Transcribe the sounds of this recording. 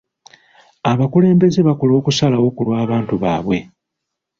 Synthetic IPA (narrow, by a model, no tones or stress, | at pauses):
aβakule̞ːmbe̞zeβakolo̞ːkusalawo̞ːkulwaːβaːntuβaːβwe̞